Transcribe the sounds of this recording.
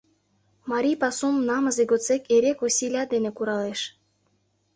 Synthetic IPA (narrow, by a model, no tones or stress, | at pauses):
mɑɾʲijpɑsumnɑmɤzeɡot͡sekeɾekosʲilʲɑd̪enekuɾɑleʃ